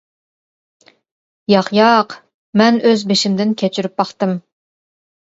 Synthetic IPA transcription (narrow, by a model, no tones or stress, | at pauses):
jɑχjɑq | mɛnøzbeʃimd̪ɪnkʲʰet͡ʃʰyɾyp̚bɑχt̪ɨm